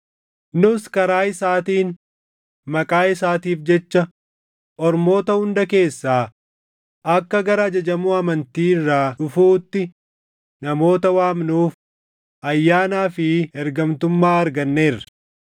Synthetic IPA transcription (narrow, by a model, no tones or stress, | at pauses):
nʊskɐɾaːɪsaːt̪iːn | mɐkʼaːɪsaːt̪iːfd͡ʒɛt͡ʃːɐ | ʔɔɾmo̞ːt̪ɐhʊnd̪ɐke̞ːsːaː | ʔɐkːɐɡɐɾad͡ʒɐd͡ʒɐmuːɐmɐnt̪iːɪrːaːᶑʊfuːt̪ːɪ | nɐmo̞ːt̪ɐwaːmnuːf | ʔɐjːaːnaːfɪɛɾɡɐmt̪ʊmːaːɐɾɡɐnːe̞ːrːɐ̥